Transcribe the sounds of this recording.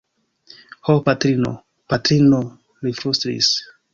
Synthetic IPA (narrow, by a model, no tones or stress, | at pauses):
hopatɾino̰ | patɾino | lifɾustɾḭs